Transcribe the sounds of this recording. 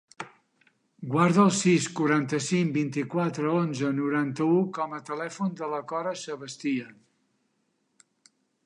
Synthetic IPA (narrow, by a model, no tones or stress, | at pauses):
ɡwaɾðəəlˠsiskuɾant̪əsiŋbint̪ikwat̪ɾəonzənuɾant̪əukɔmət̪əlɛfund̪ələkɔɾəsəβəst̪iə